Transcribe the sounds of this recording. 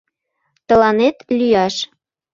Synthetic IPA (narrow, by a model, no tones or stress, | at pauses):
t̪ə̆lɑnet̪lyjɑʃ